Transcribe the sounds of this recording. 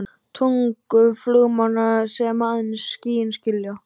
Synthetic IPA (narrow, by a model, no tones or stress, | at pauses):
t̪ʰuŋkʏflœɣmanasɛmaaðnsciːjɪnscɪlja